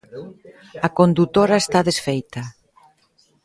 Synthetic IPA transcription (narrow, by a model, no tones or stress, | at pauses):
ɐkond̪ut̪oɾaest̪aðesfejt̪ɐ